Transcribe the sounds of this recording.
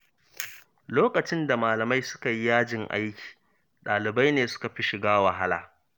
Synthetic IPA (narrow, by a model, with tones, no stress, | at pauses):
loː˦kɐ˨t͡ʃɪ˦nda˨maː˨lɐ˨ma˦jsʊ̥˦ka˨ji˦jaː˦d͡ʒɪ˨ŋʔa̰˦jkʲi̥ː˨ | ɗaː˨lɪ˨ba˦jneː˨sʊ̥˦ka˨ɸi˦ʃɪ˨ɡaː˦wa˨ɦa˦la̰ː˨